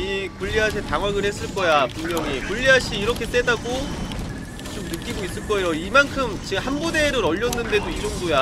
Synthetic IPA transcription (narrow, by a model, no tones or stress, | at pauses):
ikuʎːiɦaɕ̬ʰetaŋwaɡɯɭhe̞s͈ɯɭk͈ʌjapumjʌŋikuʎːiɦaɕʰiːɾʌkʰe̞t͈we̞daɡo | t͡ɕomnɯk͈iɡois͈ɯɭk͈ʌe̞joimankʰɯmt͡ɕiɡhanbude̞ɾɯɾʌʎːʌnːɯnde̞doid͡ʑʌŋdoja